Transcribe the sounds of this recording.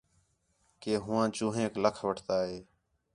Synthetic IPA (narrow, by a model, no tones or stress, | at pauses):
keːɦʊːãːt͡ʃũːɦẽːkləkʰʋəʈʰt̪aːɦeː